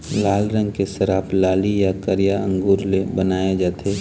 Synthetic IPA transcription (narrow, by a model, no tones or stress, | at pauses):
laːlɾə̃ŋɡ̚kesəɾaːplaːlijakəɾjaə̰̃ŋɡuːɾlebənaːjed͡ʒaːt̪ʰe